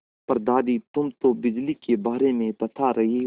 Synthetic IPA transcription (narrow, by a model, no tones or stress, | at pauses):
pɐɾd̪aːd̪it̪ʊmt̪obɪd͡ʒlikebaːɾemẽpɐt̪ʰaɾɐɦi